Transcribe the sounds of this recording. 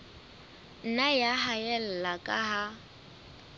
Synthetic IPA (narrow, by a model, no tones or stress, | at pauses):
n̩najaɦaɛl̩lakʼaɦa